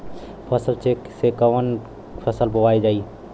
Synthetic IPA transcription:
pʰəsəlt͡ʃeksekəwən | pʰəsəlbowajd͡ʒaːi

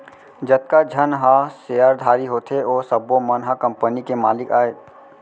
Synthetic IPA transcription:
d͡ʒət̪̚kad͡ʒʱənɦãsejaɾd̪ʱaːɾiɦoːt̪ʰeoːsəbomənɦakə̃mpənikemaːlɪkaːe

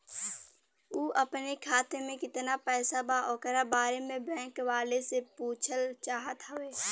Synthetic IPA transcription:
uːʔəpnekʰaːt̪emẽkɪt̪napɛːsabaʔɔːkəɾabaːɾemẽbɛ̃ːkʋaːlesepuːt͡ʃʰəlt͡ʃaːɦət̪ɦəʋeː

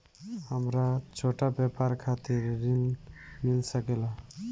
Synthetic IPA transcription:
həmɾat͡ʃʰoʈabɛpaɾkʰat̪iɾːilmilsəkela

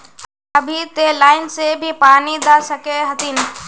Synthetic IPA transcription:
əbʱit̪elaːɪnsebʱipaːnid̪asəkeɦət̪in

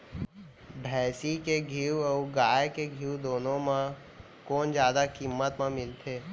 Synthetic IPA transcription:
bʱɛːsikeɡʱiːwɔːɡaːjkeɡʱiːwd̪oːnõmã | kɔːnd͡ʒjaːd̪akiːmːət̪mãmɪlt̪ʰeː

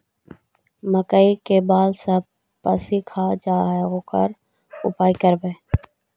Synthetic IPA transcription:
məkəikebaːlsəb̚ | pəsikʰaːd͡ʒaːɦɣokə̰ɾ | ʊ̰paːikəɾbeː

